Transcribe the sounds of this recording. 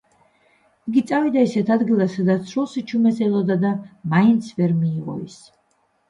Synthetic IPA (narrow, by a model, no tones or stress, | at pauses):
iɡit̪sʼavid̪aisɛt̪ʰad̪ɡilˠasad̪at̪sʰɾulˠsit͡ʃʰumɛsɛlˠɔd̪ad̪amaint̪sʰvɛɾmiːʁɔ̰ḭs